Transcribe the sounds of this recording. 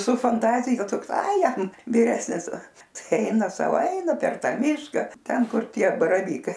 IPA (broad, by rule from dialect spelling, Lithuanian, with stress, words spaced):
sʊ fɐnˈtɑːzʲɪjɛ ˈtoːks ɐɪ ˈjɛm ʋʲɪˈrʲæːsʲnʲɪs ˈtɐɪ ˈɐɪnɐ ˈsɐʊ ˈɛɪnɐ pʲɛr ˈtɑː ˈmʲɪʃkɐ ˈtʲɛn ˈkʊr ˈtʲiɛ bɐrɐˈʋʲiːkɐɪ